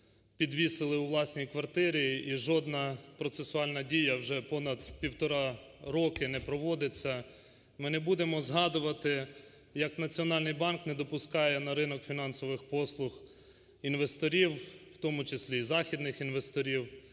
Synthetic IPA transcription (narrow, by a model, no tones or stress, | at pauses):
pʲid̪ʋʲisɪlˠɪʊʋlˠɑsʲnʲijkʋɐrt̪ɪɾʲiiʒɔd̪nɐpɾɔt̪sesʊɑlʲnɐdʲijɐwʒɛpɔnɐd̪pʲiwt̪ɔɾɑ | ɾɔkɪnɛpɾɔʋɔd̪ɪt͡sʲːɐ | mɪnɛbud̪emɔzɦɑd̪ʊʋɐt̪ɪ | jɐknɐt͡sʲiɔnɑlʲnɪjbɑnknɛd̪ɔpʊskɑjɛnɐɾɪnɔkfʲinɑnsɔʋɪxpɔslˠʊx | inʋest̪ɔɾʲiwwt̪ɔmʊt͡ʃesʲlʲizɑxʲid̪nɪxinʋest̪ɔɾʲiw